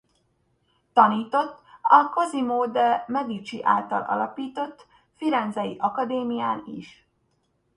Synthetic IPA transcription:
t̪ɒniːt̪o̞t̪ːɒkɒzimoːd̪ɛmɛɡ̪it͡ʃiʔa̰ːlt̪ɒ̰lʔɒ̰lɒpiːt̪o̞t̪ː | fiɾɛnd̪zɒjiʔɒkɒd̪eːmijaːniʃ

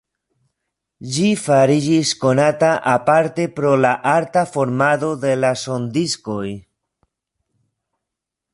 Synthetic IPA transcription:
d͡ʒifaɾid͡ʒisko̞nataʔapaɾte̞pɾo̞laʔaɾtafo̞ɾmado̞de̞laso̞ndisko̞j

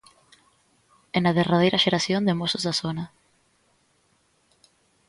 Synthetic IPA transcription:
enaðerað̞eɾʔaʃeɾasjond̪emosozðasona

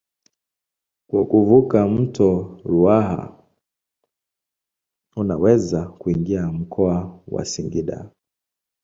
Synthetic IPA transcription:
kwakuvukam̩tʰɔɾuaha̰ | unawɛzakuiŋɡiam̩kʰɔawa̰siŋɡiɗa̰

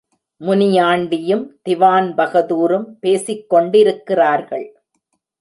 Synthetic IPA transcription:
mʊnɪjaːɳɖɪjɯmt̪ɪʋaːnbɐɣɐðuːɾɯmpeːsɪkːɔɳɖɪɾɯkːɪraːɾɣɐɭ

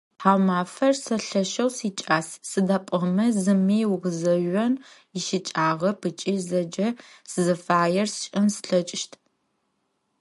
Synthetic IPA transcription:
ħaːwmaːfɐrsɐɬɐʃɐwsiːt͡ʃʼaːssɨdɐpʷʼɐmɐzɨmiːwʁɨzɐʒɔn | ɪʃɪt͡ʃʼaːʁɐpʰɨt͡ʃʼiːzɐd͡ʒɐsɨzɨfaːjɛrst͡ʃʼɐmsɬɐt͡ʃʼʃtʰ

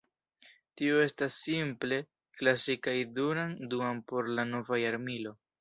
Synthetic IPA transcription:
tioe̞stasːimple̞ | klasikajdunanduampo̞ɾlano̞vajaɾmilo̞

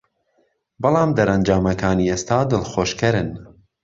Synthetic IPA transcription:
bɑlˠɑːmd̪ɐɾɐnd͡ʒaːmɐkʰaːniːeːst̪aːd̪ɨlxoːʃkɐɾɨn

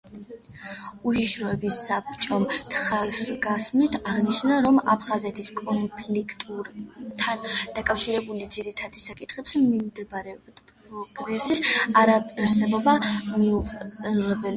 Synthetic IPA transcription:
uʃiʃɾɔɛbisapt͡ʃʼɔmt̪ʰχasɡasmit̪ʰaʁniʃnaɾɔma̰pʰχazɛt̪ʰiskʼɔmpʰlikʰt̪ʼuɾt̪ʰːand̪akʼafʃiɾɛbulid̪ziɾit̪ʰad̪isakʼit̪ʰχɛpsmimd̪ɛbɾɛɔb̪p | ɾɔɡɾɛsisaɾapʼɾsɛbɔbamiuʁɛbɛli

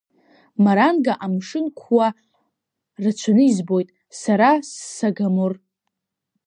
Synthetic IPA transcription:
maɾanɡaʔamʂɨnkʷʰwa | rat͡ʃʷʰanɨizbo̞jtʼ | saɾasːaɡamɨr

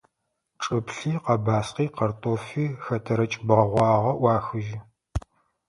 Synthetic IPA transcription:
ʈ͡ʂʼɨpɬiːqɐbaːsqiːqɐrtʰʼoːfiːxɐtʰɐɾɐt͡ʃʼbʁɐʁʷɑːʁɐʔʷwɑːxɨʒɪ

